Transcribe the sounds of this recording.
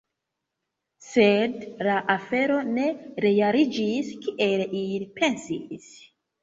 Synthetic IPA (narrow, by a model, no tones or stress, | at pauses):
sedlaʔafe̞ɾo̞ne̞ɾe̞jaɾid͡ʒiskiʔe̞lilipʰe̞nsḭs